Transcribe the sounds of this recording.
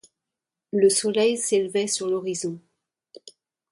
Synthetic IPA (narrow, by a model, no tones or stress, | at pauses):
ləsɔlɛjselvɛsyʁlɔʁizɔ̃